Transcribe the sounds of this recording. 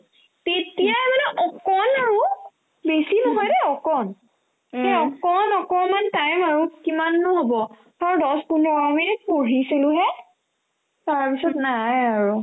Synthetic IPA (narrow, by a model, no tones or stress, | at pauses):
tetijamalɛʔɔkɔnaɹu | besinɔɦɔjdɛɔkɔn | ɛɔkɔnɔkɔmantajmaɹukimanːʊɦobɔ | tɔɹdɔspundɔɔɔminit̚poɹisilʊɦɛ | taɹpisɔtnajaɹu